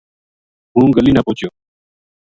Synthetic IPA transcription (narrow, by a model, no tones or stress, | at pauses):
ɦũːɡəliːnapoːt͡ʃjoː